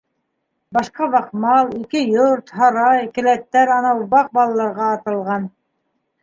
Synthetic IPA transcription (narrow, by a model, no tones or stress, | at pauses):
bɑʃqɑβɑqmɑlˠikɘjoɾt̪hɑɾɑjkɘ̆læt̪ːæɾɑnɑuβɑq̚bɑlˠɑlˠɑɾʁɑːt̪ɤ̆lˠʁɑn